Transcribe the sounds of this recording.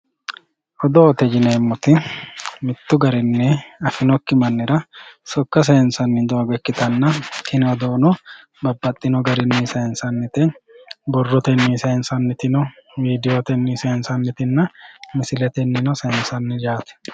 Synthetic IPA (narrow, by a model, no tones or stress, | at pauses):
ʔɔd̪oːt̪ɛd͡ʒɪneːmːʊt̪ɪmɪt̪ːʊɡɐɾɪnːɛɐfɪnɔkːɪmɐnːɪɾɐsɔkːɐs̬eːnsɐnːɪd̪o̞ːɡɛkːɪt̪ɐnːɐkɪnɔd̪oːnɔ | bɐbːɐt̪ʼːɪnɔɡɐɾɪnːiseːnsɐnːɪt̪ɛbɔrːɔt̪ɛnːiseːnsɐnːɪt̪ɪnɔmiːd̪ɪjoːt̪ɛnːiseːnsɐnːɪt̪ɪnːɐmɪsɪlɛt̪ɛnːɪnɔseːnsɐnːɪd͡ʒaːt̪ɪ̥